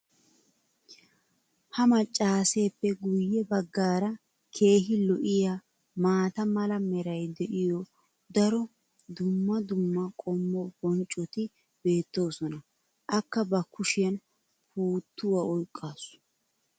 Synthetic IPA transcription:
hɐmɐt͡ʃʼːaːse̞ːpːɛɡʊjːɛbɐɡːaːɾɐ | kʰe̞ːɦɪlɔʔɪja | maːt̪ɐmɐlɐmɛɾɐjd̪ɛʔɪjɔ | d̪ɐɾɔ | d̪ʊmːɐd̪ʊmːɐkʼɔmːɔbɔnt͡ʃʼːɔt̪ɪ | be̞ːt̪ːo̞ːsɔnɐ | ʔɐkːɐbɐkːʊʃɪjɐn | puːt̪ʰːʊwɐɔjkʼːaːsʊ̥

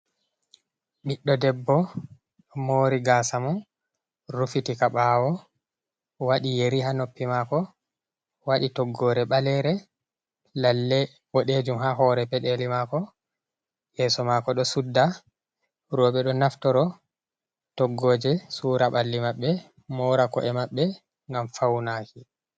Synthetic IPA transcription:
ɓiɗːɔdɛbːɔ | ɗɔmoːɾiɡasamɔn | ɾufitikaɓawɔ | waɗijeɾiɦanopːimakɔ | waɗitɔɡːɔːɾɛɓalɛɾɛ | lalːɛ | wɔɗed͡ʒumhaɦɔɾɛpɛɗelimakɔ | jɛsɔmakɔɗɔsudːa | ɾɔɓɛɗɔnaftɔɾɔ | tɔɡːoːd͡ʒɛsuːɾaɓalːimaɓːɛ | mɔɾakɔ̰ʔɛmaɓːɛ | ŋɡamfawnaki

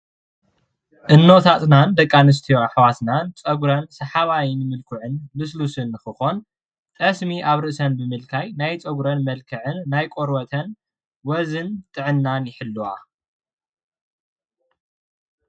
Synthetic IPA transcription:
ʔɨnːo̞t̪ʰat̪ʼnand̪ɐkʼːanɨs̬t̪ʰijoħwasnant͡sʼɐɡuɾɐnsɐħaβajnɨmɨlkʰɨʕɨnlɨs̬lusɨnːɨxɨxo̞n | t̪ʼɐsmiʔaβɾɨʔsɐnbɨmɨlkʰajnajt͡sʼɐɡuɾɐnmɐlkʰɐʕɨnːajkʼoɾwɐt̪ʰɐn | wɐzɨnt̪ʼɨʕɨnːanjɪħɨlːuwa̰

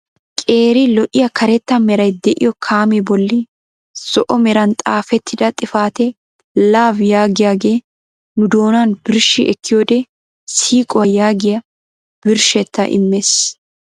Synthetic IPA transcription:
kʼe̞ːɾɪlɔʔɪjɐkɐɾɛt̪ːɐmɛɾɐjd̪ɛʔɪ̰jɔkʰaːmɛbɔlːɪ | sɔʔɔmɛɾɐnt̪ʼaːfɛt̪ʰːɪd̪ɐt̪ʼɪfaːt̪ɛ | laːvjaːɡɪjaːɡe̞ː | nʊd̪o̞ːnanb̥ɪɾʃɪʔɛkːɪjoːd̪ɛ | siːkʼɔwɐjaːɡɪjɐ | b̥ɪɾʃɛt̪ːɐ̰ʔɪ̰mːes

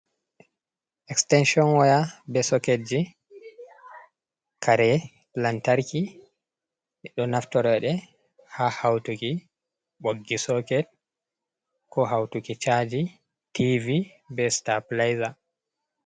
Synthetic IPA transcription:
ʔɛkstɛnʃiɔnwajabɛsɔked͡ʒi | kʰaɾɛ | lantaɾki | ɗɔnaftɔɾɛɗɛ | hahawtuki | ɓoɡːisɔkɛd̚ | kɔɦawtukit͡ʃad͡ʒi | tʰivi | bɛstaplajza

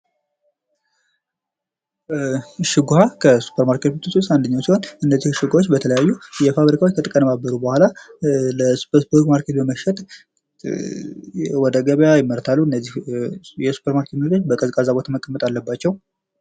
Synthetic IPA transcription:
ɨʃɨɡuhakʰəsu̥pʰːəɾmaɾkʰe̞t̪but̪ʰːususand̪əɲːawsiho̞nɨnːəzːihɨʃɨɡʷawot͡ʃːbət̪ʰələjajːujɛfaβɾikʰawot͡ʃːkʰət̪ʼɨkʼənəmabːəɾubəhʷalaləsu̥pesbuɾɡmaɾkʰe̞t̪bəməʃɛt̪ | wɔd̪əɡəβjajɪmːəɾt̪ʰalːuɨnːəzːihjɛsu̥pʰːəɾmaɾket̪mɨɾt̪ʰot͡ʃːbəkʼəzkʼazaβot̪ʰaməkʼːəmːət̪ʼalːəbːat͡ʃːɛw

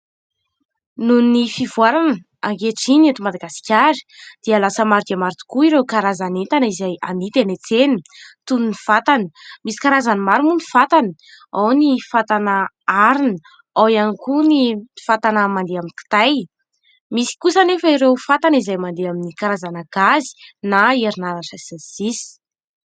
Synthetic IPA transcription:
nunifivuaɾanə | a̰ŋkeʈ͡ʂinat̪umad̪aɡasi̥kʲaɾi̥d̪̥ialasəmaɾd̪emaɾt̪u̥kuiɾekaɾazanent̪anizajanit̪enet͡senit̪ununifat̪ani̥misi̥kaɾazanimaɾumunifat̪aniawnifat̪anə | aɾinə | awanikunifat̪anəmand̪eaminki̥t̪aj | misi̥kusanefəiɾewfat̪anizajmand̪eaminikaɾazanaɡ̥azi̥naeɾinaɾansasensisi̥

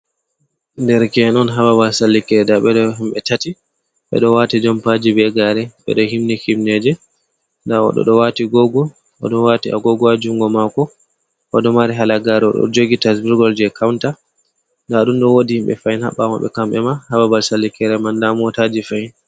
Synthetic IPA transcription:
ndɛɾkɛnɔnɦababalsalːikɛɾɛdaɓɛɗɔɦimɓɛtati | ɓɛ̰ɗɔwatid͡ʒɔmpad͡ʒibɛɡaɾɛɓɛ̰ɗɔhimnikimnɛd͡ʒɛ | ndaɔ̰ɗɔ̰ɗɔwatiɡɔɡɔ | ʔɔ̰ɗɔwatiʔa̰ɡɔɡɔad͡ʒuŋɡɔmakɔ | ʔɔɗɔmaɾiɦalaɡaɾɛɔ̰ɗɔ̰d͡ʒoɡitas̬biɾɡɔld͡ʒɛkʰawnta | ndaɗumɗɔwodihimɓɛ̰fajinha̰ɓːama̰ɓɛ̰kamɓɛ̰mahababalsalːikɛɾɛmandamɔtad͡ʒifajin

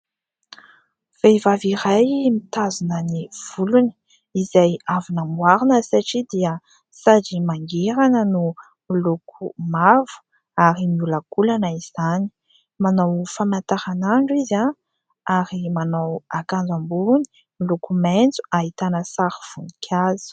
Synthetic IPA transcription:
v̥ejvaviɾajmit̪azunəniv̥uluni̥ | izajavunamwaɾinəsaʈ͡ʂid̪iə | sad͡ʒimaŋɡeɾanənu | milokʰumavu̥ | aɾimiulakulanəiz̥ani̥ | manawfamant̪aɾanaɳɖ͡ʐiza | aɾimanawakand͡zambuni̥ | milokumend͡zu̥ait̪anəsaɾiv̥unikʲʰazi̥

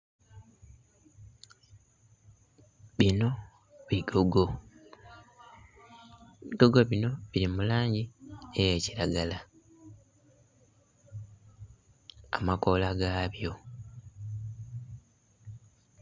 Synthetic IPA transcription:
βino̞ | βioɡ | iɡoɡo̞βino̞βiɾimulaːɲɟieje̞ciɾaɡala | a̰mako̞laɡaβjo̞

